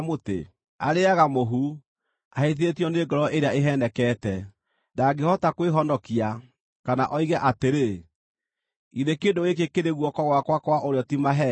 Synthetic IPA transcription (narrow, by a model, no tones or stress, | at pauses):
motḛ | a̰ɾeaɣamoɦu | aheðeetjɔneːɡɔɾɔeɾeaeɦɛnɛkɛtɛ | daɡehɔtakweɦɔndɔkia | kanaʔɔiɣɛʔateɾe | iðekendoɣekekeɾeɣwɔkɔɣwakwakwaʔoɾeɔtimaɦɛ